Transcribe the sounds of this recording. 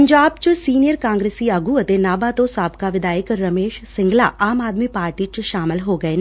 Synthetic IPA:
ɲd͡ʒaːbt͡ʃsiːnijəɾkãːŋɡɾeːsiəɡuət̪enaːbat̪õsaːbkaʋɪd̪aːjəkɾɐmeːʃsɪ̃ŋɡla̰aːmaːd̪miːpaːɾʈiːt͡ʃʃaːmɪlɦoːɡɐeːn

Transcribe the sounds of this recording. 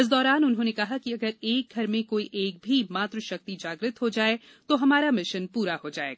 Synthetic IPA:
ɪs̬d̪ɔːɾaːnʊnɦõːnekɐɦakiɐɡəɾeːk̚ɡʱɐɾmẽkoːiʔeːk̚bʱimaːt̪ɾəʃɐk̚t̪id͡ʒaːɡɾɪt̪ɦod͡ʒaːe | t̪oɦɐmaːɾamɪʃənpuːɾahod͡ʒaːḛːɡaaː

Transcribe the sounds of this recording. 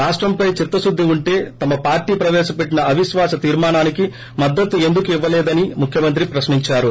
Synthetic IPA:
ɾaːʂʈɾɐmpɐjt͡ʃit̪ːɐsud̪ʱːiuɳʈe̞ːt̪ɐmɐpaːɾʈiːpɾɐʋɛːʃɐpe̞ʈːinɐɐʋiʃʋaːsɐt̪iːɾmaːnaːniki | mɐd̪ːɐt̪ːue̞nd̪ukuiʋːɐlɛːd̪ɐnimukʰjɐmɐnt̪ɾipɾɐʃniɲt͡ʃaːɾu

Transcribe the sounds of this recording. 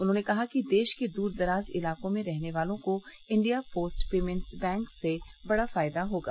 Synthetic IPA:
ʊnɦõːnekɐɦakid̪eːʃked̪uːɾd̪ɐɾaːzɪ̰laːkõmẽɾɛɦneʋaːlõko | ɪ̃ɳɖijapoːsʈpeːmɛ̃nsbɛ̃ːŋkse | bɐɽafaːɪd̪aɦoːɡa̰ː

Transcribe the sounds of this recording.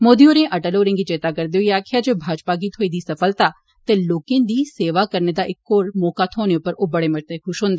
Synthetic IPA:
moːd̪ioːɾẽʔəʈəloːɾẽŋɡit͡ʃeːt̪akəɾd̪eoiaːkʰɪjaːd͡ʒeːbʱaːd͡ʒpaɡiːt̪ʰoːid̪iːsɐfəlt̪aː | t̪eloːkẽːd̪iːseːʋakəɾned̪aːʔɪkːoːɾmɔːkaːt̪ʰoːneʊpːəɾoːbəɽeməʈt̪ekʰʊʃɦõːnd̪ː

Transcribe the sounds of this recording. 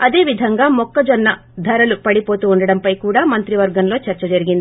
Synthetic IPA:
ɐd̪e̞ːʋid̪ʱɐŋɡaːmɔkːɐd͡ʒɔnːɐ | d̪ʱɐɾɐlupɐɽipo̞ːt̪uːɳɖɐɽɐmpɐjkuːɽaːmɐnt̪ɾiʋɐɾɡɐnlo̞ːt͡ʃɐɾt͡ʃɐd͡ʒɐɾiɡind̪i

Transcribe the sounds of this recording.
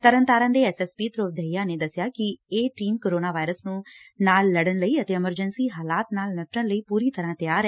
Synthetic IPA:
t̪əɾənt̪aːɾãːd̪eːɛːsɛːspiːt̪ɾoːp̚d̪eijaːneːd̪əsɪjaːkɪeːʈiːmkoːɾoːnaːʋaːɪɾəsnũːnaːlːəɽənləiːət̪eːɪməɾd͡ʒənsiːɦaːlaːt̪naːlnəʈːəɳləiːpuːɾiːt̪əɾãːt̪ɪjaːɾɛː

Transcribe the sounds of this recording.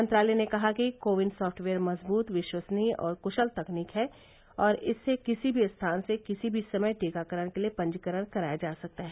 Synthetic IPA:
mɐ̃nt̪ɾaːlɛnekɐɦakikoːʋɪɳɖsɔːfʈʰʋeːəɾmɐzbuːt̪ʋɪʃwəsniɔ̰ːɾkʊʃəlt̪ɐkniːkɦɛː | ɔːɾɪsːekɪsibʱiɐst̪ʰaːnsekɪsibʱisɐməjʈeːkakəɾəɽ̃keliepɐ̃ɲd͡ʒkəɾəɽ̃kɐɾaːjad͡ʒaːsɐk̚t̪aɦɛː

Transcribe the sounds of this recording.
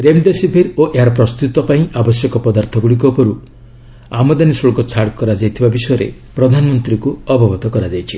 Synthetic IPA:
ɾemɖesipʰiɾoʔeɦaɾɔpɾɔst̪ut̪ɔpaĩʔabɔsjɔkɔpɔd̪aɾt̪ʰɔɡuɭik̬ɔpɔɾu | amɔd̪anisoɭkɔt͡ʃʰaɽkɔɾad͡ʒajt̪ʰibabisɔjɔɾḛpɾɔd̪ʱanɔmɔnt̪ɾikuɔbʱɔbɔt̪ɔkɔɾad͡ʒajt͡ʃʰi

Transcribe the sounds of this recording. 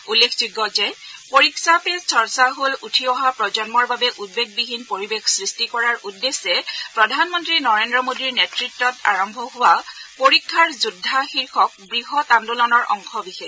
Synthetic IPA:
ulːekʰzuɡɔzɛpoɹiksapet͡ʃʰɔɹsaɦolutʰiɔɦapɹɔzɔnmɔɹbabɛʔut̚beɡ̚biɦinpoɹibekʰsɹistikɔɹaɹʔudːesɛpɹɔdʱanmɔntɹinɔɹendɹɔmodiɹnetɹitːɔta̰ɹɔmbʱɔɦʊwapoɹikʰːaɹzudʱːaxiɹkʰɔk̚bɹiɦɔtandulɔnɔɹʔɔ̰ŋxɔbixe

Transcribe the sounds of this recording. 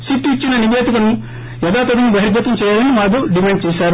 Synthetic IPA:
siʈːit͡ʃːinɐniʋeːd̪ikɐnu | jɛd̪aːt̪ɐd̪inibɐɦiɾd̪jɐt̪ɐmt͡ʃɛːjaːlɐnimaːd̪uɖimeɳɖ̚t͡ʃɛːʃaːɾu

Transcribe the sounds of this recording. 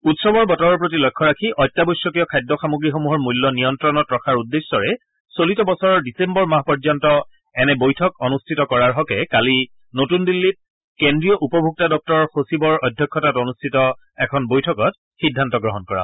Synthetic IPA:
utsɔbɔɹbɔtɔɹɔɹp̬ɹot̬ilɔjkʰːɔɹakʰiʔɔjtːabɔjsːɔkijɔkʰajdʱːɔxamuɡɹixomuɦɔɹmujlːɔnijɔntɹɔnɔtɹɔkʰaɹudːesːɔɹɛ | solitɔbɔsɔɹɔɹdisembɔɹmaɦpɔɹzɔntɔ | ɛnɛbojtʰɔkɔnustʰitɔkɔɹaɹɦɔkɛkali | notundilːit̚ | kendɹijɔʔupɔbʱuk̚tadɔp̚tɔɹɔɹxosibɔɹɔjdʱjɔkʰːɔtatonustʰitɔ | ɛkʰɔnbojtʰɔkɔt̚ | xidʱantɔɡɹɔɦɔnkɔɹa̰

